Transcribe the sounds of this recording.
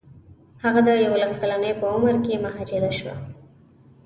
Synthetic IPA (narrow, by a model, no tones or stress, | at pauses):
haɣad̪əjawolaskalanəjpəʊməɾkemaɦɑd͡ʒɪɾaʃwa̰